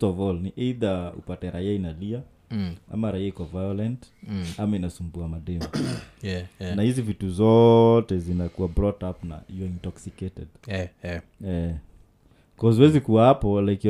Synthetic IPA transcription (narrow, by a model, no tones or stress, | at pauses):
tɔvɔlniʔiðaṵpatɛɾaiainalia | a̰maɾaiaikɔvajɔlɛnt | amainasumbuamaɗɛma | nahizivituzɔtɛzinakuwabɾɔtapna̰hijɔintɔksiketɛd | ɛ | kɔziwɛzikuwahapɔlaiki